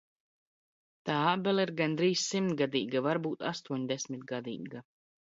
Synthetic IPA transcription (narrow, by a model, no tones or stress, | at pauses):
t̪aːabɛlˠiɾɡand̪ɾiːssimt̪ɡad̪iːɡavaɾbuːt̪a̰st̪uɔɲd̪ɛsʲmit̪ɡad̪ḭːɡa